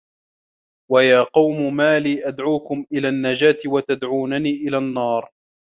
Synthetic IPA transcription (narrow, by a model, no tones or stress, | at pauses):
wajaːqɑwmʊmaːliːʔad̪ʕuːkʊmʔɪlaːnːad͡ʒaːt̪ɪwat̪ad̪ʕuːnaniːʔɪlaːnːɑːɾˤ